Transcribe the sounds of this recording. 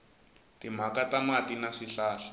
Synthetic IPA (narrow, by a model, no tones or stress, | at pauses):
tim̤akatamatinaʂiɬaːɬḁ